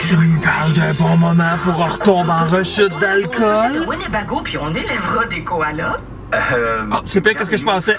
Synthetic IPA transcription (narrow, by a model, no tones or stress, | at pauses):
ɛmɛpaʁld̪ɛ̃bɔ̃mɔmɛ̃puʁɔʁt̪ɔ̃bɛ̃ʁəʃət̪̚d̪alkʰɔlmwalebaɡopiɔ̃nelɛvʁãd̪ekoalɔ | ɔsɛpɛ̃kəsəkəʒəpɑ̃sɛ